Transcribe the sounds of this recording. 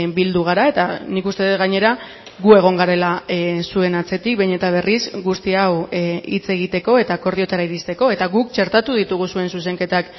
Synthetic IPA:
bild̪uɣ̞aɾae̞t̪anikust̪e̞ðet̪ɣaɲe̞ɾa | ɣue̞ɣ̞o̞ŋɡaɾe̞lasue̞nat͡se̞t̪ik̚beɲe̞t̪aβ̞e̞risɡust̪iawḭt͡se̞ɣ̞it̪e̞ko̞e̞t̪ako̞ɾðio̞t̪aɾaiɾist̪e̞ko̞e̞t̪aɣuk̚t͡ʃe̞ɾt̪at̪uð̞it̪uɣ̞usue̞nsus̬e̞ŋke̞t̪ak

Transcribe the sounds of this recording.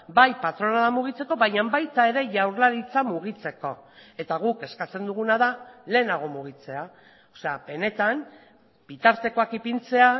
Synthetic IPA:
bajpat̪ɾo̞naðamuɣ̞it͡se̞ko̞βajɲambajt̪ae̞ɾe̞ʝawɾlaɾit͡samuɣ̞it͡se̞ko̞e̞t̪aɣ̞uke̞skat͡se̞nd̪uɣunaðale̞ːnaɣ̞o̞muɣ̞it͡se̞a | ose̞abe̞ne̞t̪am | b̥it̪aɾt̪e̞ko̞akipint͡se̞a

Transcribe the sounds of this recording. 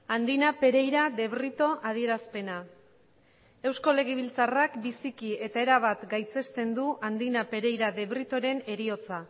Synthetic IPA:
and̪inape̞ɾe̞jɾaðe̞βrit̪o̞ʔað̞ie̞ɾaspe̞na | e̞wsko̞le̞ɣ̞eβ̞ilt͡sarakbisikie̞t̪ae̞ɾaβ̞at̪ɡajt͡se̞st̪e̞nd̪uʔand̪inape̞ɾe̞jɾaðe̞βrit̪o̞ɾe̞ne̞ɾio̞t͡sa

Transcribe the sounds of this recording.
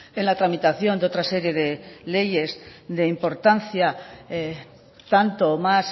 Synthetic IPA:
enlat̪ɾamit̪aθjo̞nd̪eo̞t̪ɾase̞ɾje̞ðele̞je̞zðe̞impo̞ɾt̪anθjae | t̪ant̪oːmas

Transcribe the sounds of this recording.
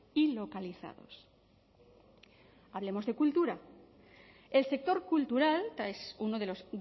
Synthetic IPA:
ilo̞kaliθa̰ðo̞̰s | aβle̞mo̞zðe̞kult̪uɾa | e̞lse̞k̚t̪o̞ɾkult̪uɾalt̪aesuno̞ð̞e̞lo̞s

